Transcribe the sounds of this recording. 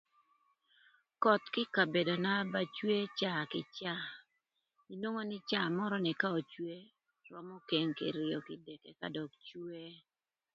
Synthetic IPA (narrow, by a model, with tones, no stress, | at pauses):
kɔ˨t̪kɪ˦ka˨be˨do˨na˦ba˦t͡ʃwe˦t͡ʃa˦kɪ˨t͡ʃa˦ | i˨nwo˦ŋo˦nɪ˦t͡ʃa˦˨mɔ˦ɾɔ˦nɛ˨ka˦o˨t͡ʃwe˦ | ɾɔ˨mo˦ke˦ŋkḛ˨ɾɪɔ˨kɪ˨dɛ˨kɛ˨ka̰˦dɔ˨k̚t͡ʃwe˦